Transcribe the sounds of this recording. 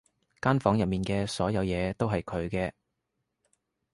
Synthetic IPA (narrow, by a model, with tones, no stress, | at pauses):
kaː˥nfɔː˨˥ŋjɐ˨p̚miː˨˩nkɛː˧sɔː˨˥jɐ˨˧wjɛː˨˧t̪o˥wɦɐ˨jkʰɵ˨˧ɥkɛː˧